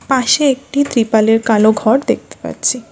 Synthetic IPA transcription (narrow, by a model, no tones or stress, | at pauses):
paʃeek̚ʈit̪ɾipaleɾkaloɡʱɔɾd̪ek̚ʰt̪e̥pa̰ɾt͡ɕʰi